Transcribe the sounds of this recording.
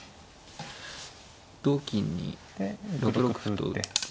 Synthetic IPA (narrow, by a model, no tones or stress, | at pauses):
d̪̥oːkʲĩɲ̟ːḭ | ɾokɯ̟ɾokɯ̥t̪o̰